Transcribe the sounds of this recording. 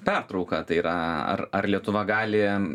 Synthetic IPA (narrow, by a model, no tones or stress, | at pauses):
pʲært̪ɾɐʊkɐt̪ɐɪiɾɐɐ̰rɐrlʲiɛt̪ʊʋɐɡɑːlʲɪ